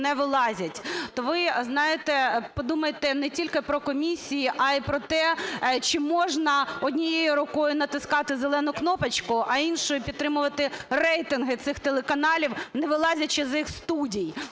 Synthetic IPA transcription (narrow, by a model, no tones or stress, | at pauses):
nɛʋɪlˠɑzʲɐtʲt̪ɔʋɪznɑjɪt̪ɛpɔd̪umɐjet̪ɛnɛtʲilʲkɪpɾɔkɔmʲisʲijiʔɐipɾɔt̪ɛt͡ʃɪmɔʒnɐɔdʲnʲijejʊɾʊkɔjʊnɐt̪ɪskɑt̪ɪzelˠɛnʊknɔpɐt͡ʃkʊʔɐinʃɔjʊpʲid̪t̪ːɾɪmʊʋɐt̪ɪrɛjt̪ɪnɦɪt̪sɪxt̪elˠekɐnɑlʲiwnɛʋɪlˠɑzʲɐt͡ʃɪzɪxst̪udʲij